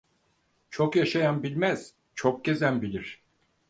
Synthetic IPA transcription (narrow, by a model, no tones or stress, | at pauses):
t͡ʃʰokjaʃajanbilʲmæz̥ | t͡ʃʰok̚ɟ̥e̞zænbilʲiɾ̝̥